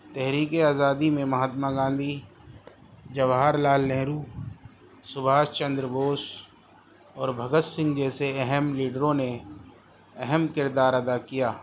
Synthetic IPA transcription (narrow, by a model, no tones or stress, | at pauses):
t̪ɛɦɾiːkeaːzaːd̪imẽmɐɦaːt̪maɡãːnd̪ʱi | d͡ʒɐʋaɦaɾlaːlːɛ̃ːɾuː | sʊbʱaːʃt͡ʃə̃nd̪ɾəboːs | ɔːɾbʱɐɡət̪sɪ̃ŋɡd͡ʒɛːseɛɦɛmliːɖəɾõne | ɛɦɛmkɪɾd̪aːɾɐd̪akijaː